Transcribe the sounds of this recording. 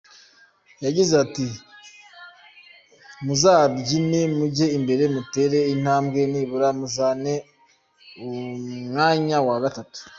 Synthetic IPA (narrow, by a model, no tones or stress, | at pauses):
jaɟizati | muzabɟinemuɟe̞imbe̞ɾe̞mute̞ɾe̞in̥haːmbɡe̞niːβuɾamuzane̞ | omŋaːɲawaɡatatu̥